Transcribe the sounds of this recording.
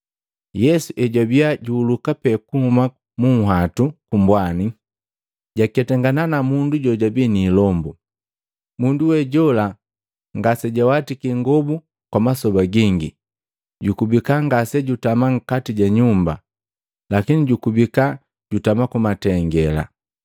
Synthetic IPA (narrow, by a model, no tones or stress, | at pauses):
jɛsuʔɛɟabiaɟuːlukapɛkuhuma | muŋ̩ɦatukumbwani | ɟakɛtɛŋɡananamunduɟɔɟabiniːlɔmbu | munduwɛɟɔla | ŋɡasɛɟawatikiŋɡɔbu | kwamasɔbaɡiŋɡḭ | ɟukubikaŋɡasɛɟutamaŋ̩katiɟaɲumba | lakiniɟukubika | ɟutamakumatɛŋɡɛla̰